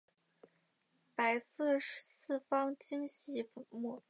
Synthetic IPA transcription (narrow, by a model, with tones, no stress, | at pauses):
pa˧˥ɪsɤ˥˩ʂsɹ̩˥˩fɑ˥ŋt͡ɕi˥nɕi˧˥fə˧˥mu˥˩